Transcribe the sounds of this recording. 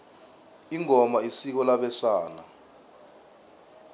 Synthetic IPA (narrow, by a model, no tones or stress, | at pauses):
iŋɔmaisik̬ɔlaɓɛsaːna